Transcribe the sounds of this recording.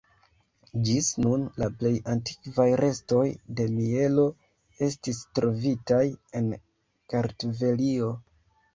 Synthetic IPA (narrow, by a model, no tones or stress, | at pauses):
d͡ʒisnunlaple̞janti̥kvajɾʔe̞sto̞jde̞mie̞lo̞ | e̞stistɾo̞vitaje̞n | kaɾtve̞lio̞